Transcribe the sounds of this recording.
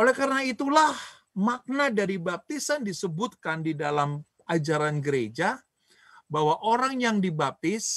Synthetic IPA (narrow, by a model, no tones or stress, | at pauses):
ʔolɛkaɾənait̪ulah | mak̚nadaɾibap̚t̪isandisəbut̪̚kandidalam | ʔad͡ʒaɾanɡəɾed͡ʒa | bawaʔoɾaŋjaŋdibap̚t̪ɪs